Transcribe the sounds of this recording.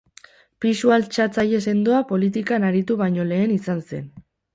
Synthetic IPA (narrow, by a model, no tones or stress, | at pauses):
pisualt͡ʃat͡saje̞se̞nd̪oapo̞lit̪ikanaɾit̪uβajɲo̞le̞ːnisanse̞̰n